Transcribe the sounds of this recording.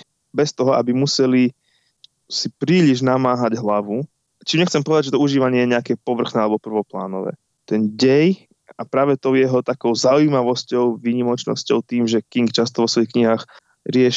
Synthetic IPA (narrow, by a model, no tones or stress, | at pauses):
bɛst̪ɔɦɔabimusɛli | sipɾiːliʒnamaːɦaɟɦlaʋu | t͡ʃimɲɛxt͡sɛmpɔʋɛd̪aɟd͡ʒʒɛt̪ɔuʒiːʋaɲɛjɛɲɛakɛːpɔʋr̩xnɛːalɛbɔpr̩ʋɔpla̰ːnɔʋɛ̰ː | t̪ɛnɟɛj | apɾaːʋɛt̪ɔʊjɛɦɔt̪akɔʊzauimaʋɔscɔʊʋiːɲimɔt͡ʃnɔ̰scɔʊt̪iːmʒɛkiŋkt͡ʃast̪ɔʋɔsʋɔjixkɲiɦaːx | ɾɪɛʃ